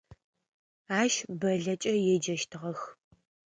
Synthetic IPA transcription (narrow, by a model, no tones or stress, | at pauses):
aːʃbɐɮɐt͡ʃʼɐjɛd͡ʒɐʃtʰɨʁɐx